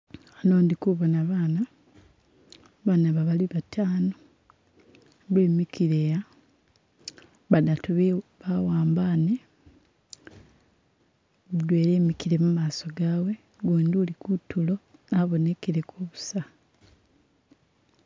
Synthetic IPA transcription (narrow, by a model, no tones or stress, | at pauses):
ano̞ːndikuβonaβaːna | βaːnaβaβaliβatʰaːno | βeːmikiɾeja | βadatuβiβawaːmbane | βudwe̞ːɾemikiɾe̞mumaːso̞ɡaːwe̞ | ɡweːnduːlikutːulo̞naβo̞ne̞kiɾe̞kʰuβusa